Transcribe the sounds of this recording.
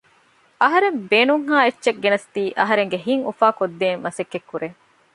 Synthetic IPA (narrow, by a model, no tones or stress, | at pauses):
ʔɐɦɐɾembeːnuŋɦaːet͡ʃːʃɐk̚ɡenɐst̪iːʔɐɦɐɾeŋɡeɦiŋṵfaːkod̪ːeːŋʋɐsekːekːuɾeː